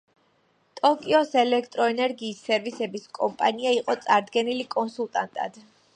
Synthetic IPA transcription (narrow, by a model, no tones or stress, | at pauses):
t̪ʼɔkʼiɔsɛlɛkʰt̪ʼɾɔɛnɛɾɡiːsːɛɾvisɛbiskʼɔmpʼaniaiqʼɔt̪sʼaɾd̪ɡɛnilikʼɔnsulˠt̪ʼant̪ʼa̰d̪̥